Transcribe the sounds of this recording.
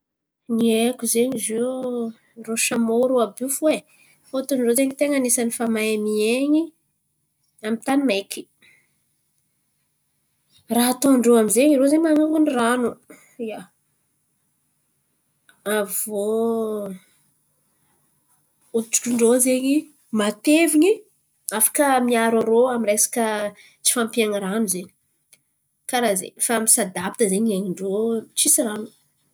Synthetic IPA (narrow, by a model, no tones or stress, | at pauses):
niekʲuzeɲizi | roʃamoɾoabifue | fot̪unɖ͡ʐozeɲit̪eŋanesanifamajamieɲi | amit̪animekʰi̥ | raɦat̪oɳɖ͡ʐoamizeɲirozemaŋaŋɡuniranu | ja | avo | ut͡ʃu̥kuɳɖ͡ʐozeɲi | mat̪eviɲi | afḁkəmiaɾaɾoaminɾesḁkə | t͡si̥fampiaŋəɾanuzeɲi̥ | kaɾazḛfaamisad̪apt̪əzeɲaɲiɳɖ͡ʐot͡sisiranu̥